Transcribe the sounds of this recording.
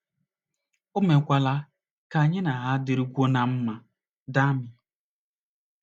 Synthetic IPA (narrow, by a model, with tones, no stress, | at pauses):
ʊ˦me˨kʷa˨la˦ | ka˨ɲɪ˦na˨ɦa˦dɪ˨ɾi˦kʷo˦na˨m̩˦ma˨ | da˦mɪ˨